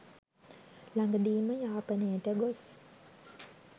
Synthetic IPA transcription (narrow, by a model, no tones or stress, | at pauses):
laŋɡəd̪iːməjaːpənəjəʈəɡos